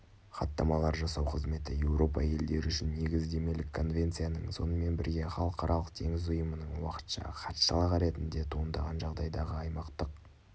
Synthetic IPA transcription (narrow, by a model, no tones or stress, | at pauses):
χɑt̪ːɑmɑlˠɑɾʒɑsɑwqʰəzme̞t̪ɪje̞wɾo̞pɑ̰je̞ld̪e̞ɾɪʏʃɪnːe̞ɡʲɪzd̪e̞me̞lɪkʰːo̞nvʲe̞nt̪sijanəɴso̞̰nəme̞nbɪɾɡʲe̞χɑlˠəqɑɾʔɑlˠəq̚t̪ʰe̞ŋɪzʊjəmənəɴwɑqə̥t̪ʃɑ̰χɑt̪ʃɑlˠɑʁɑɾe̞t̪ɪnd̪e̞t̪ʰuənd̪ɑʁɑnʒɑʁd̪ɑjd̪ɑʁəɑjmɑqt̪əq̚